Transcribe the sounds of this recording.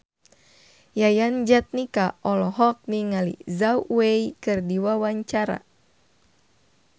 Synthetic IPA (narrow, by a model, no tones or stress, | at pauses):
jajand͡ʒat̪̚nikaʔɔlɔɦɔk̚niŋalḭzauweikɨrdiwawaɲt͡ʃaɾa̰